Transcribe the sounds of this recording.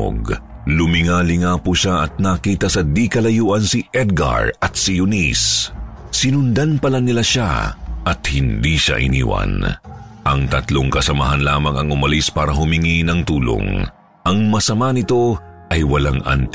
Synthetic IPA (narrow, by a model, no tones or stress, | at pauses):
ɡlʊmɪŋaːlɪŋapʊʃaʔɐt̪̚nɐkiːt̪ɐsɐd̪ikɐlɐjuːʔɐnsiʔɛd̪̚ɡɐ̰ɹɐt̪̚sijʊnis | sɪnʊnd̪anpɐlanɪlaʃa̰ʔɐt̪̚hɪnd̪iʃa̰ʔɪ̰nḭːwɐ̰nʔɐŋt̪ɐt̪loŋkɐsɐmaɦɐnlaːmɐŋɐŋʊmɐlispaːɾɐɦʊmɪŋinɐŋt̪uːlo̰ŋ | ʔɐŋmɐsɐmanɪt̪o̞ʔɐjwɐlaŋʔɐ̰nt̪